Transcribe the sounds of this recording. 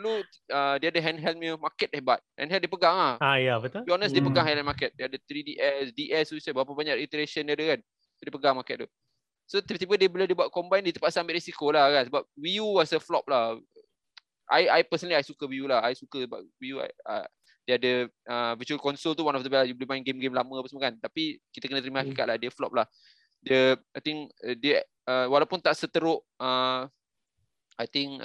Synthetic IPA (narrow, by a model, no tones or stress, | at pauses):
lu | ədiadəɦɛnɦɛl̚miəmakɛt̪̚abat̪̚hɛ̰̃nɦɛldepəɡaŋlahajabət̪ubiɔnəsdepəɡaŋɦajlajnmakɛt̪̚diadət̪ɾidiʔɛsdiʔɛsuisabap̬abaɲaʔɾit̪əɾeʃəndiadəkan | sodepəɡaŋmakɛt̚t̪u | sot̪it̪ibədiəbolahdibwat̪̚kɔmbajndiət̪upaʔsambɪt̪̚risikolahkansəbap̚wijuwɔsəflɔp̚la | ʔa̰jajpəsənəliajsukəwijulahajsukəsba̰ʔwijua̰j̰ | diadəəvət͡ʃuəlkɔnsolt̪̬uwanɔfdəbɛlajublimaĩnɡemɡemlamə̃apəsmakant̪apikit̪əkənə̃t̪əɾimãhakikat̪̚lahdiəflɔ̰p̚lah | diəajt̪ɪŋdiə | əwalawpʊnt̪aʔsət̪əɾʊʔ | ə | ajt̪ɪŋ